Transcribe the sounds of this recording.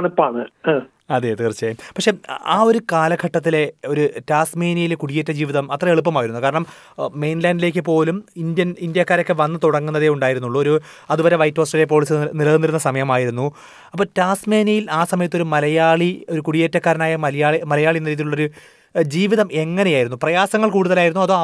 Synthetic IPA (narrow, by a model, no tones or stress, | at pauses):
ɳupːaːɳɨ | ɐðet̪iːrt͡ɕːaːjumpɐkʂe̞aːo̞ɾukaːlɐɡʰʱɐʈːɐt̪̬ːile̞o̞ɾutaːsmeːnijilekuɽijeːtːɐd͡ʑiːʋiðɐmɐt̪ːrɐe̞ɭup̬ːɐmaːjiɾunːukaːɾɐɳɐm | me̞jnlaːnɖile̞ːk̬ʲːɨp̬o̞ːlumind̪jɐnind̪jakːaːɾokːɨʋɐnːɨt̪uɽɐŋːunːɐðeuɳɖaːjiɾunːuɭːuoɾu | ɐðuʋɐɾeʋɐjtːo̞ːsʈrɐijep̬o̞ːɭis̬ɨnilɐðunːiɾunːɐsɐmɐjɐmaːjiɾunːu | ɐpːoːtaːsme̞ːnijilaːsɐmɐjɐt̪ːo̞ɾumɐlɐjaːɭio̞ɾukuɽijeːtːɐkːaːɾɐnaːjɐɐjaːimɐlɐjaːɭijenːɐɾiðiluɭːo̞ɾu | d͡ʑiːʋiðɐme̞ŋːɐnejaːjiɾunːuprɐjaːsɐŋːɐɭkuːɽuðɐlaːjiɾunːuɐðo